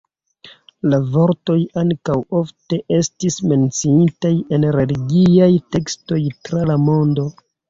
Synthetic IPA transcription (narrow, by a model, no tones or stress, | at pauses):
lavo̞ɾto̞jaŋkawo̞fte̞ʔe̞stisme̞nt͡siitaje̞nɾe̞liɡiajte̞ksto̞jtɾalamo̞ndo̞